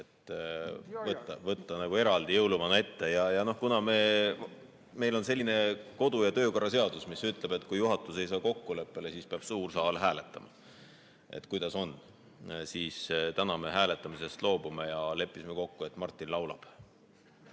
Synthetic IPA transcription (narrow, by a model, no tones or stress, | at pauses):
et̪ː | vɤt̪ːɑvɤt̪ˑːɑnæɡ̥ue̞ɾɑld̪̥ijɤwluvɑnɑe̞t̪ːe̞jɑjɑno̞hkunɑme̞ː | me̞jlo̞nse̞lːine̞ko̞d̪ujɑt̪ø̞ːko̞rːɑs̬e̞ɑd̪̥usmisyt̪ˑle̞b̥e̞t̪ːˑkujuɦɑt̪ːˑuse̞jsɑːko̞kːule̞pːe̞le̞siːspeɑb̥suːrsɑːlɦæːle̞t̪ːˑɑmɑ̰ | e̞̰t̪ːkujd̪ɑso̞nː | siːst̪ænɑme̞ɦæːle̞t̪ːˑɑmise̞st̪lo̞ːbume̞jɑle̞pːˑismeko̞kːuet̪ːˑmɑrt̪ːˑinlɑwlɑ̰b̥